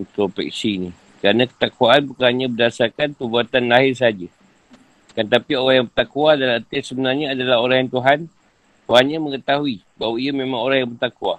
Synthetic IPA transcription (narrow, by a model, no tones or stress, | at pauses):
pɾopɛ̰k̚siːni | kəɾanãkə̥t̪akuaʔanpəkaɲãbədasarkanpərbuat̪anlaɦɪrs̬əad͡ʒa | kant̪̬apioɾaŋjaŋbərt̪akuadalat̪ɛsəbənarɲaːdalaɦoɾaŋjaŋt̪uɦan | t̪uɦanɲaməŋət̪aɦui | bawaiamẽmãŋoɾaŋjaŋbərt̪akua